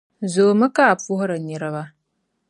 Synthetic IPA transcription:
zo˨mɨ˦ka˦˨pu˦hɾa˨ɲi˨ɾa˦ba˦

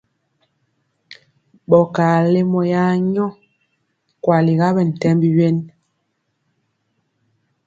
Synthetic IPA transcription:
ɓɔ˨ka˨le˦mɔ˨ja˦ɲɔ˦ | kwa˨li˨ɣa˦bɛ˨n̩˨tɛ˦mbi˦ɥe˦n

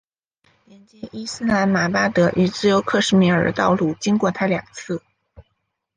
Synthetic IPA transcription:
ljɛ˧˥nt͡ɕjɛ˥˩ʔi˥sɹ̩˥na˧˥nma˨˩pa˥t̪ɤ˧˥ʔy˨˩t͡sɹ̩˥˩jo˧˥ʊkʰɤ˥˧ʂɻ̩˥˩mi˧˩ə̰˞˨˩t̪ɑ˥˧ʊlu˥˩t͡ɕi˥ŋkwɔ˥˩t̪ʰa˥ljɑ̰˨˩ŋt͡sʰɹ̩˥˩

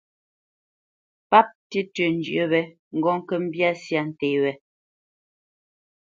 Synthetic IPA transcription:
pa˦p̚ti˦tə˨n˨d͡ʒɰʔə˨βɛ˨ | ŋ̩˨ɡɔ˦ŋ̩˦kə˦˨m̩˦bja˦sja˦˨n̩˨te˨wɛ˨

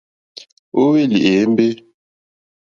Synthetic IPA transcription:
o˦we˦li˨ʔe˨˦m˦be˦

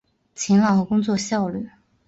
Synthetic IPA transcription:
t͡ɕʰi˧˥ŋlɑ˨˩ŋxɤ˧˥kʊ˥ŋt͡swɔ˥˧ɕjɑ˥˧ʊly˥˩

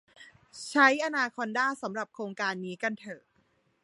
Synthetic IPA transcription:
t͡ɕʰa˦˥jʔa˧naː˧kʰɔ˧ndaː˥˩sa˩˦mɾa˨˩p̚kʰɾoː˧ŋkaː˧nːiː˦˥ka˧nt̪ʰɤː˨˩

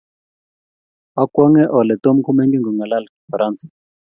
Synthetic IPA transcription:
a˦kwa˦ŋɛ˦ʔɔ˨lɛ˨tɔ˦m̩˦kʰu˦mɛ˦ŋɡi˦ŋɡɔ˨ŋa˨la˦la˨kɔ˨fa˨ɾa˦nt͡sḁ

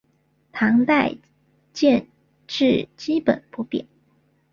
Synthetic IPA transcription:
t̪ʰɑ˧˥ŋt̪a˥˧ɪ | t͡ɕjɛ˥˧n | ʈ͡ʂɻ̩˥˩t͡ɕi˥pə̰˨˩˦npu˧˥pjɛ̰˨˩˦n

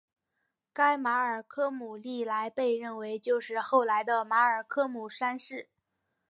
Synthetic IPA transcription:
ka˥ɪma˧˥ə˞˨˩kʰɤ˥mu˨˩li˥˧˩la˧˥ɪpe˥˧ɪɻə˥˩nwe˧˥ɪt͡ɕjo˥˧ʊʂɻ̩˥˧xo˥˩ʊla˧˥ɪd̪ə˧ma˧˥ə˞˨˩kʰɤ˥mu˨˩ʂa˥nʂɻ̩˥˩

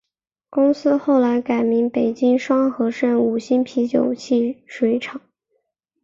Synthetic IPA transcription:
kʊ˥ŋsɹ̩˥xo˥˩ʊla˧˥ɪka˨˩ɪmi˧˥npe˨˩ɪt͡ɕi˥ŋʂwɑ˥ŋxɤ˧˥ʂə˥˩nu˨˩ɕi˥npʰi˧˥t͡ɕjo˨˩ʊt͡ɕʰi˥˩ʂwe˧˥ɪʈ͡ʂʰɑ˨˩˦ŋ

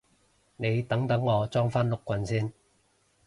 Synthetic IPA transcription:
ne˨˧jt̪ɐ˨˥ŋt̪ɐ˨˥ŋːɔː˨˧t͡sɔː˥ŋfaː˥nlʊ˨kʷːwɐ˨˧nsiː˥n

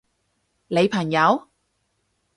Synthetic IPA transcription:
le˨˧jpʰɐ˨˩ŋjɐ˨˧˥w

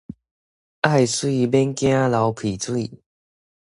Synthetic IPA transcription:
ʔa˥˩jswi˥˧bɛ˦nkj̃ã˦la˨˧˦wpʰi˨˩t͡swi˥˧

